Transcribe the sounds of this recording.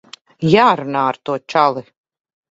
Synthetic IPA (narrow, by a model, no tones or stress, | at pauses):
jaːɾunaːaɾt̪uɔt͡ʃalˠi